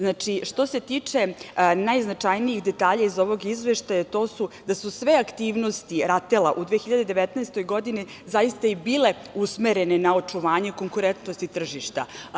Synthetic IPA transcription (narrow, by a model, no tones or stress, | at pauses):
znaːt͡ʃiʃt̪o̞se̞t̪iːt͡ʂe̞najznat͡ʂajnijixd̪e̞t̪aːʎaizo̞ʋo̞ɡizʋeʃt̪ajat̪o̞ːsud̪asusʋe̞akt̪iːʋno̞st̪iɾat̪elaʔud̪ʋeexiʎad̪ed̪e̞ʋet̪nɛːst̪o̞jɡo̞d̪ini | zajist̪aibiːle̞ | usmeɾe̞nenao̞t͡ʂuʋaːɲe̞ko̞ŋkuɾent̪nost̪it̪r̩ʒiʃt̪a̰